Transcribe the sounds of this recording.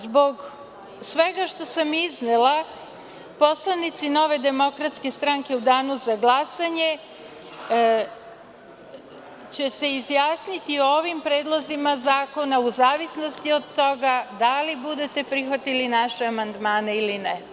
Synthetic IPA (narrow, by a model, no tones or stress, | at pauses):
zbo̞ɡ | sʋe̞ɡaʃt̪o̞samiznelˠa | po̞slˠanit̪sino̞ːʋe̞d̪e̞mo̞kɾat̪ske̞st̪ɾaŋke̞ud̪aːnuzaɡlˠasaɲe̞ | t͡ɕe̞seizjaːsnit̪iooʋimpɾeːd̪lˠozimazaːko̞nauzaːʋisno̞st̪iod̪t̪ːo̞ɡad̪alibud̪e̞t̪e̞pɾixʋat̪ilinaʃeamand̪maːneiline